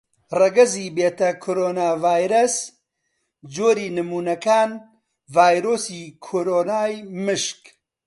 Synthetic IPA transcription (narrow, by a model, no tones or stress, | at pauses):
rɐɡɐziːbeːt̪ɐkʰoɾoːnaːvaːjɾɐs | d͡ʒoːɾiːnɨmuːnɐkaːn | vaːjɾoːsiːkʰoɾoːnaːjmɨʃk